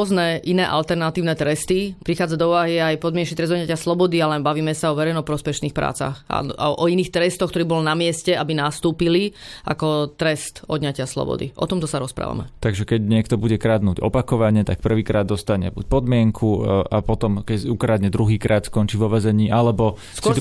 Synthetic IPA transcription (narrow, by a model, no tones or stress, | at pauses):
ɔznɛʔinɛ̰ːʔalt̪ɛɾnat̪iːʊnɛt̪ɾɛst̪ipɾixaːd͡zad̪ɔuʋaɦiajpɔd̪mɪɛnʃit̪ɾɛzd̪ɔd̪ɲacɪaslɔbɔd̪ialɛnbaʋiːmɛsaɔʋɛɾɛjnɔpɾɔspɛʃniːxpɾa̰ːt͡sa̰xa̰ɔiniːxt̪ɾɛst̪ɔxk̪t̪ɔɾiːbɔlnamɪɛscɛabinast̪uːpiliʔa̰kɔt̪ɾɛst̪ɔd̪ɲacɪaslɔ̰bɔ̰d̪ḭʔɔ̰t̪ɔmt̪ɔsaɾɔspɾa̰ːʋa̰mɛ̰t̪aɡʒɛkɛɟɲɪɛkt̪ɔbuɟɛkɾad̪nuːɟɔ̰pakɔʋaɲɛt̪ak̚pr̩ʋiːkɾaːd̪̚ːɔst̪aɲɛ̰bṵc̚pɔd̪mɪɛŋkʰua̰pɔt̪ɔmkɛukɾad̪ɲɛd̪ɾuɦiːkɾaːt̪skɔnt͡ʃiːʋɔʋɛzɛɲiːʔalɛbɔ | skʊɔ